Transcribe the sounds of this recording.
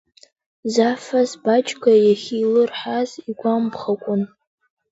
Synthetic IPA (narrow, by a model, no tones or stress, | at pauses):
zafazbat͡ʃʰʼkʷʰʼajaχʲilɨrħaziɡʷambʰχakʷʼʊn